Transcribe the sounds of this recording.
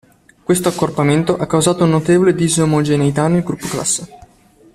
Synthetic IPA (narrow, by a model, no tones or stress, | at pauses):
kwest̪oakːorpament̪oʔakːawzaːt̪ounːot̪eːvoled̪izomod͡ʒenejt̪anelɡɾupːokla̰sːe